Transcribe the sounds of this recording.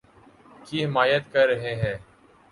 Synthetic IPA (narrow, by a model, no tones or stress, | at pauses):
kiːɦɪmaːjət̪kəɾːəɦeːɦɛː